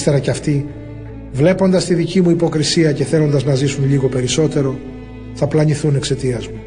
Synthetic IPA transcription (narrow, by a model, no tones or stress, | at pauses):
st̪e̞ɾɐceɐft̪i | vle̞po̞nd̪ɐst̪iðicimuipo̞kɾisiɐce̞θe̞lo̞nd̪ɐznɐzisunʎiɣo̞pe̞ɾiso̞t̪e̞ɾo̞ | θɐplɐniθune̞kse̞t̪iɐzmu